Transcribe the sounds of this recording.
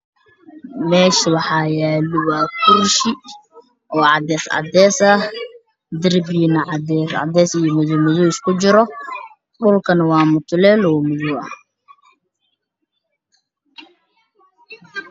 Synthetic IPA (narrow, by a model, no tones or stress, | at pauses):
mɛːʃɪwɑħɑːjaːlɪwaːkʰʊrʃɪ | ʔɔːʕɑd̪ɛːsʕɑ̰d̪ɛːsɐ | d̪ɪrbinɐʕɑd̪ɛsʕɑ̰d̪ɛːsɪjɔmʊðʊmʊðʊɪskʰʊt͡ʃɪɾɔ | ɗʊlkʰɐnwɑːmʊt̪ʰʊlɛːlɔːmʊðuɐ